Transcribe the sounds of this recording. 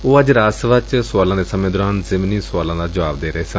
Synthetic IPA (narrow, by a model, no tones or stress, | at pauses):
oːəd͡ʒɾaːsʋət͡ʃsʊwaːlãːd̪eːsəmẽːd̪ɔɾaːnzɪmniːsʊaːlãːd̪aːd͡ʒəʋaːb̚d̪eːɾəɦeːsə̃n